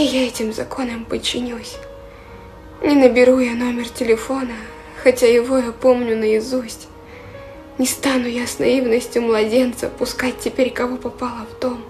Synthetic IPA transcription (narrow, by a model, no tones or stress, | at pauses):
ɪjaɛtʲɪmzɐkʰo̞nəmpət͡ɕːɪnʲilˠəsʲ | nʲɪnəbʲɪɾujano̞mʲɪrtʲɪlʲɪfo̞nə | xɐtʲajɪvo̞japo̞mnʲʊnəɪzusʲtʲ | nʲɪst̪anʊjasnɐ̰ivnəsʲtʲjʊmlˠɐdʲent̪sə̰pʊskat̚ʲtʲːɪpʲeɾʲkɐvopɐpalˠəvt̪o̞m